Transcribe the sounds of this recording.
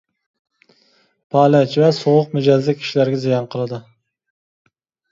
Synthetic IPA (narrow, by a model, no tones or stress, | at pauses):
pʰɑːlɛt͡ʃvɛsoʁʊqmyd͡ʒɑzlɪkʲʰi̥ʃilæɾɡʲɛzijɑnqʰəlˠɨd̪ɨ